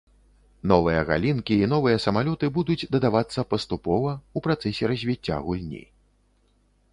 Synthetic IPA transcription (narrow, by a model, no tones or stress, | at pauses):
nɔvɨjɐɣa̰lʲinkʲiːnɔvɨjɐsɐmalʲɔt̪ɨbud̪ud͡zʲd̪ɐd̪avat̪sːɐpɐst̪upɔvɐupɾat̪sɛsʲɛɾɐzʲvʲit͡sʲːa̰ɣulʲnʲḭ